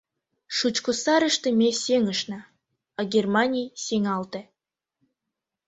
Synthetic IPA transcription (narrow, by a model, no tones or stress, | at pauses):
ʃut͡ɕkosɑɾə̆ʃt̪emʲeseŋə̆ʃnɑ | ɑɡʲermɑnʲijseŋɑlt̪ĕ